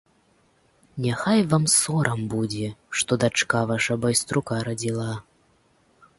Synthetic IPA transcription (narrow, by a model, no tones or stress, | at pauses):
nʲaxajvamsɔɾʔɐmbud͡zʲɛʂt̪ɔd̪at͡ʂkavaʂɐbɔjst̪ɾukaɾɐd͡zʲilˠa